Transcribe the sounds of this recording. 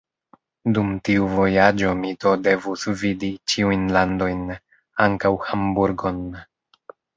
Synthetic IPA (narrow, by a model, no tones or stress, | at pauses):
dumtiuvo̞jad͡ʒo̞mito̞de̞vusvidit͡ʃiujnlando̞jn | aŋkawhambuɾɡo̞n